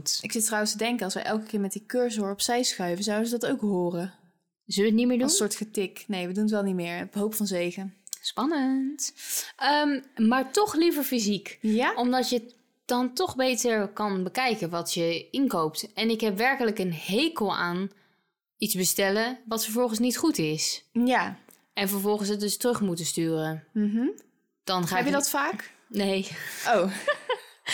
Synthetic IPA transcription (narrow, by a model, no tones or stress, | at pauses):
tɪksɪtrawənstədɛŋkənɑlˠsʋə̰jʔɛlˠkəkɪːɹmɛt̚dikøːɹsoːɹɔpsɛjsχœɥvənzawdənzədɑtowkɦʊːrə | zəlʋəətnitmɪːɹdusʊːɹtχətɪknejʋədunətʋɛlˠnitmɪːɹpɦowpfɑnzejχənspɑnəntəmmaːɹtɔχlivəɹfizikɔmdɑtjə | d̥ɑntɔχbejtəɹkɑnbəkɛjkənʋɑtjəɪnkowp̚tɛnɪkɦɛpʋɛɹkələkənhejkəlˠa̰ːn | itzbəstɛləʋɑtfəɹvɔlˠχənsnitχutɪsja | ɛnvəɹvɔlˠχənsətdɵstrɵχmutənstyːrən̩ɦ̩ | d̥ɑnχaːɛjədɔtfaːk | nejow